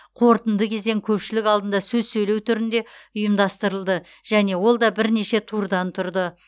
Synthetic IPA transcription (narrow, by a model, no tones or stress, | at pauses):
qʰo̞ɾt̪ənd̪əkʲʰe̞zd̪e̞ŋkʲʰɵpʃɪlɪkɑlˠd̪ənd̪ɑsɵzsɵjle̞wt̪ʰʏɾɪnd̪e̞ʊjəmd̪ɑst̪əɾəlˠd̪ə | ʒ̥æne̞wo̞lˠd̪ɑbɪɾne̞ʃe̞t̪ʰuɾd̪ɑnt̪ʰʊɾd̪ə